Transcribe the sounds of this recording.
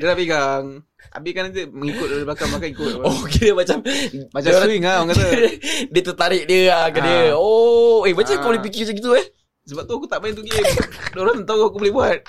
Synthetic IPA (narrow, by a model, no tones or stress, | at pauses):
dəlapiɡaŋ | ʔa̰bɪkanad͡ʒəməŋikʊt̪̚liblakablakaikʊt̪okediəmat͡ʃammat͡ʃamsɾauiŋaŋat̪ədiət̪ət̪aɾɪʔ̚diəakadiəoemat͡ʃamakubolɪhp̬ikiat͡ʃaɡit̪̬uɛh | səbap̚t̪uakut̪aʔbait̪uɡiədooɾat̪nt̪auakubolɪhbuat̪̚